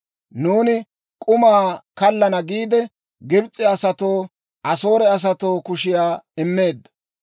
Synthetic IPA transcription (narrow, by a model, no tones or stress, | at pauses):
nuːnɪ | kʼʊmaːkɐlːɐnɐɡiːd̪ɛ | ɡɪbt͡sʼːɪɐsɐt̪o̞ː | ʔɐso̞ːɾɛɐs̬ɐt̪o̞ːkʊʃɪjaːɪmːe̞ːd̪ːɐ̥